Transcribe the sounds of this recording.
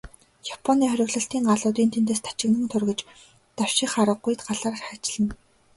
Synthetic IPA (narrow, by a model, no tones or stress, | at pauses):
japʰɔniːχœɾʲɵ̆ɣɮɞ̆ɬt̪iːŋɢaɮʊːt̪iːnt̪ʰent̪eːst̪ʰḁt͡ɕɪ̆ɣnə̆ŋt̪ʰɵrɣɘ̆t͡ɕ | t̪aw̥ʃɪxχaɾə̆ɢujt̪ɢaɮaːrχat͡ɕɮɘ̆n